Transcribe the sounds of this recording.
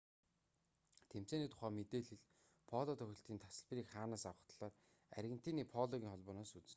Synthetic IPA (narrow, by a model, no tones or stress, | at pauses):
t̪ʰem̥t͡seːniːt̪ʰʊ̥χæːmet̪eːɮĭɮ | pʰɔɮɔt̪ʰœxʲɪ̆ɬt̪iːnt̪ʰḁsə̆ɮp̆riːkχaːnaːsawə̆χt̪ɮ̥aːr | æ̰ɾɣʲɘ̆n̥t̪ʰiːniːpʰɔɮɔɣʲiːŋχɔɮpɔːnaːsut͡sɘ̆n